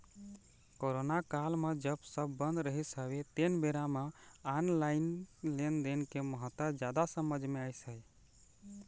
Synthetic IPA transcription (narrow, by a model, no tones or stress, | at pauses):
koɾonakalmed͡ʒəbsəbːənd̪ɾəɦisəbet̪enbeɾameanlainlend̪enkeməɦət̪ad͡ʒjad̪asəməd͡ʒʱmeajsəj